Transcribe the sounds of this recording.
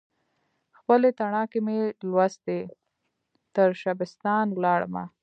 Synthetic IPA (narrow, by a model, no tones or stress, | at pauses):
xpəlet̪aɳɑkemelwasd̪e | t̪əɾʃabɪst̪ɑnwlɑɽə̰ma̰